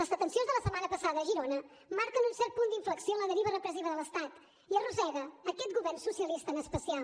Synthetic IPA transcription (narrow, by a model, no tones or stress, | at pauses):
ləzət̪ənsionzðələsəmanəpəsaðəːʒiɾonə | maɾkənunsɛrt̪̚pund̪iɱfləksioənləðəɾiβərəpɾəziβ̞əðələst̪at̪ | iəruzɛɣəːkɛt̪̚ɡuβɛrnsusiəlist̪əːnəspəsia